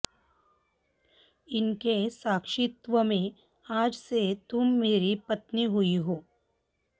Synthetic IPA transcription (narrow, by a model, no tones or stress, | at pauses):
ɪnkesaːkʂɪt̪ʋəmẽ | aːd͡ʒset̪ʊmːeːɾipɐt̪niɦʊiɦoː